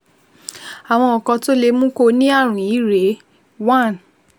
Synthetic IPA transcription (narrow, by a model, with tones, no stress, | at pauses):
a˨w̃ɔ̃˧ɔ˨kɔ̃˧to˦le˧mũ˦ko˧nĩ˦a˦˨ɾ̃ũ˨i˨˦ɾe˨˦ | wa˦˨n